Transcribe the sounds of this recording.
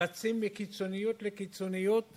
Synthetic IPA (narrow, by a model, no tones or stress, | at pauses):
at͡simbikit͡so̞nijot̪lekit͡so̞nijot̪̚